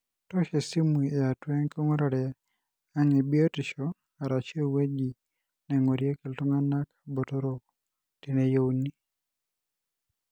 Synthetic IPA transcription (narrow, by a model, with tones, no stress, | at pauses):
tɔ˦ʃe˨si˦mwi˨e˨a˨twɛ˦ŋko˦ŋo˦ɾa˨ɾɛ˨ | a˦ŋe˨bi˦o˦tɪ˨ʃɔ˦ | a˨ɾa˨t͡ʃe˦we˦d͡ʒi˨ | nɛ˨ŋo˨ɾje˦ki˨ltʊ˦ŋa˦na˦kḁ˨bo˨to˦ɾo˦ | ti˨ne˨jo˦wni˦